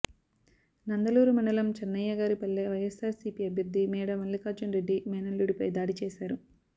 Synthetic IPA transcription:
nɐnd̪ɐluːɾumɐɳɖɐlɐmt͡ʃɐnːɐjːɐɡaːɾipɐlːeːʋɐjɐsaːɾsipiːɐbʱjɐɾd̪ʱːimɛːɽɐmɐnlikaːd͡ʒɐnɾeɖːimɛːnɐluɽipɐjd̪aːɽit͡ʃeːsaːɾu

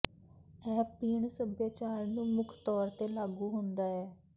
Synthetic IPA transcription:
ɛːpiːɳsəbjaːt͡ʃaːɾnũːmʊkʰt̪ɔːɾt̪eːlaːɡuːɦʊnd̪aːɛː

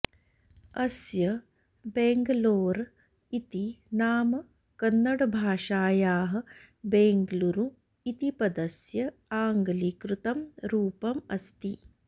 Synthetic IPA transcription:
ɐsjɐ | beːŋɡɐloːɾ | it̪inaːmɐ | kɐnːɐɽɐbʱaːʂaːjaːɦɐ̆ | beːŋɡluɾu | it̪ipɐd̪ɐsjɐaːŋɡɐlikɾut̪ɐmɾuːpɐmɐst̪i

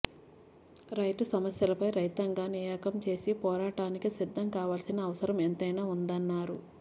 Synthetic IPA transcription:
ɾɐjʈusɐmɐsjɐlɐpɐjɾɐjt̪ɐŋɡaːnijaːkɐmt͡ʃe̞ːsipɔːɾaːʈaːnikisid̪ʱːɐmkaːʋaːlsinɐːʋɐsɐɾɐment̪ɐjnaːund̪ɐnːaːɾu

